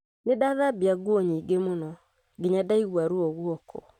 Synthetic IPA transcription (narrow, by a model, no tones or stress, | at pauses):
nedaðabiaɡwɔɲiɡemonɔ | ɡeɲadaiɣwaɾuɔɣwɔkʰɔ̰